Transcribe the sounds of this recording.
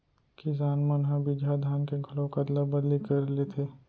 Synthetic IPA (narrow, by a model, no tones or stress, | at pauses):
kɪs̬aːnmənɦãbʱid͡ʒʱad̪ʱaːnkeɡʰɐlõkad̪ləbəd̪likɐɾlet̪ʰeː